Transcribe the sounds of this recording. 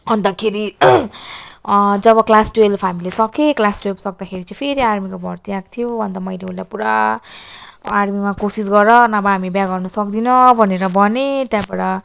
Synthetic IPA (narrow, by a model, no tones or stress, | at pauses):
ɦʌnd̪akʰeɾi | d͡zʌβʌklasʈuelpʰɦamilesʌkeklasʈuelsʌk̚d̪akʰeɾit͡saĩpʰeɾiarmikobʱʌrt̪iakt̪ʰijobʱʌnd̪amʌjleulapuɾa | rmimakosisɡʌɾʌnʌbʌɦamibjaɡʌrnʌsʌkd̪inʌbʱʌneɾʌbʱʌnet̪jãbaɽʌ